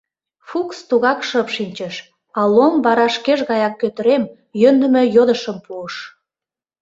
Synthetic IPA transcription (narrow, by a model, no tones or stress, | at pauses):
fukst̪uɣɑkʃəpʃinʲt͡ɕəʃ | ɑlombɑɾɑʃkeʒɣɑjɑkːøt̪əɾem | jønd̪ə̆mø̆jod̪əʃəmpuəʃ